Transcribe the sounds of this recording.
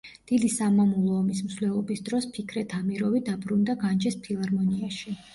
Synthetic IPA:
d̪̥id̪isamamulˠɔːmismsvlɛlˠɔbisd̪ɾɔspʰikʰɾɛt̪ʰamiɾɔvid̪abɾund̪aɡand͡ʒɛspʰilˠaɾmɔniaʃi

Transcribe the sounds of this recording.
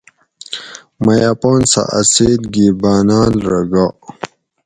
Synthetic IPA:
mɐjaːpoːnsa̰ʔɐseːd̪ɡiːbaːnaːlɾɐɡaː

